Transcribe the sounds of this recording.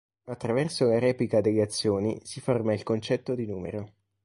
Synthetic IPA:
at̪ːɾavɛrsolaɾɛːplikad̪eʎːeat̪sːjoːnisiformailkont͡ʃɛt̪ːod̪inuːmḛɾo

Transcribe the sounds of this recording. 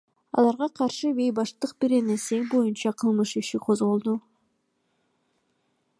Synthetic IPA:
ɑ̰lˠɑɾʁɑqʰɑɾʃɯβe̞jbɑʃt̪ɯq̚biɾenese̞ŋbo̞junt͡ʃɑqʰɯlˠmɯʃiʃiqʰo̞zʁo̞lˠd̪u

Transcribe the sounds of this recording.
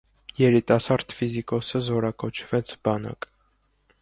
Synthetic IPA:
jɛɾit̪ɑsɑɾd̪fizikɔsəzɔɾɑkɔt͡ʃʰvɛt͡sʰbɑnɑ̰k

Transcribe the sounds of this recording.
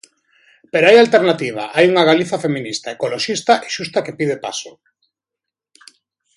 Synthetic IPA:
peɾoajalt̪eɾnat̪iβ̞a̰ʔajuŋaɣaliθafemĩnist̪aekoloʃist̪aʔeʃust̪akepið̞epa̰so

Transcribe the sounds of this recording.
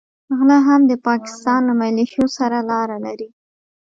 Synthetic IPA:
aɣlaɦamd̪əpɑkɪ̥st̪ɑnlamajleʃjosaɾalɑɾalaɾi

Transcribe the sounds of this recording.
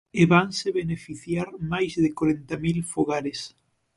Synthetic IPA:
eβaŋsɪβenefiθjaɾmajzðɪkoɾent̪amilfoɣaɾes

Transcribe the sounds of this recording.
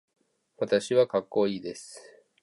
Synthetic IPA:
βat̪aɕiβakakːo̞iːd̪e̞sɨ̥

